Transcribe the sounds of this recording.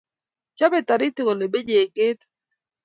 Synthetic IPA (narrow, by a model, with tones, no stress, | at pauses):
t͡ʃa˦be˨ta˨ɾɪ˦tɪ˦ko˨le˨be˦d͡ʒe˨ke˦t̪